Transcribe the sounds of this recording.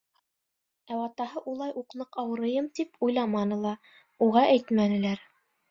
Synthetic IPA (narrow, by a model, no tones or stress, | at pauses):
æwɑt̪ɑɦɤʔulˠɑjʔuqnɤqɑwɤ̆ɾɤ̆jɤmt̪ipʰujlˠɑmɑnɤlˠɑ | uʁɑʔæjt̪mænɘ̆læɾ